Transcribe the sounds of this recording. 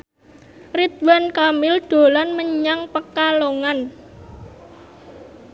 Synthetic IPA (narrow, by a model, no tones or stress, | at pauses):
rit̪̚wankamɪlɖ̪̥o̤lanməɲaŋpəkaloŋan